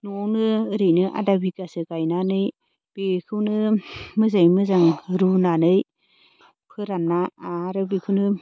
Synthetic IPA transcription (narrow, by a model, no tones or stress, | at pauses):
nɔwnɯɾɯnɯʔa̰dabikasɯkajnanɯj | b̥ekʰɯwnɯmɯzajmɯzaŋɾunanɯj | pʰɯɾanːaaɾɯbikʰɯwnɯ